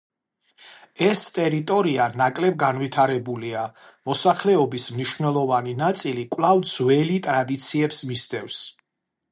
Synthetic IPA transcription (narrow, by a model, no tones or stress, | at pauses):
ɛst̪ʼɛɾit̪ʼɔɾianakʼlɛb̚ɡanvit̪ʰaɾɛbulia | mɔsaχlɛɔbismniʃvnɛlˠɔvaninat̪sʼilikʼwlˠavd̪z̥wɛlit̪ʼɾad̪it̪sʰiɛpsmist̪ʼɛvs